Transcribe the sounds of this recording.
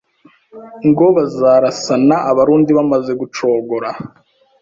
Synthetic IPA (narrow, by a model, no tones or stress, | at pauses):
ŋɡo̞βazaːɾasanaʔaβaɾuːndiβamaze̞ɡut͡ʃo̞ːɡoɾa